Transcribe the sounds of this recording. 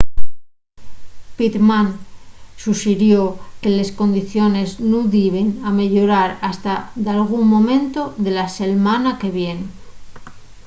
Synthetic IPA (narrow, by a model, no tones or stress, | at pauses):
pit̪mansuʃiɾjoke̞le̞sko̞nd̪iθjo̞ne̞znuðiβiname̞ʎo̞ɾaɾast̪aðalɣ̞uŋmːõ̞mẽ̞nt̪o̞ðe̞lase̞lmanake̞βje̞n